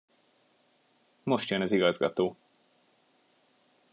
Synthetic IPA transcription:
mo̞ʃt̪jønɒziɡɒzɡɒ̰t̪oː

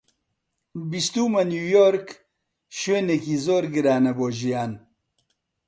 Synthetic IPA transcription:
bist̪uːmɐnjuːjoːɾk | ʃeːnekiːzoːɾɡɨɾaːnɐboːʒijaːn

